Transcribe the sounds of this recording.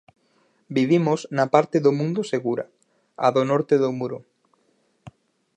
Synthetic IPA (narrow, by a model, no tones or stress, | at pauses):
biβ̞imoznapaɾt̪eðomũnd̪oseɣuɾɐ̰ | a̰ðonɔɾt̪eðomuɾo